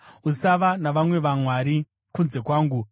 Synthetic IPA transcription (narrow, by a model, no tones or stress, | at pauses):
usaʋanaʋamwe̞ʋamwaːɾi | kunze̞kwaːŋɡu